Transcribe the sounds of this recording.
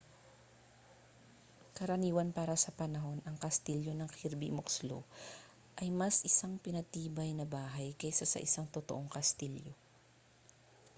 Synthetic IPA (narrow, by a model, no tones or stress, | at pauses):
kɐɾɐniːwɐnpaːɾɐsɐpɐnɐɦo̞nʔɐŋkɐst̪iljo̞nɐŋkiɾbḭmokslo̰ | ʔɐjmɐsʔɪsaŋpɪnɐt̪iːbɐjnɐbaːɦɐjkɐjsasɐ̰ʔɪsaŋt̪ot̪oʔo̞ŋkɐst̪iljo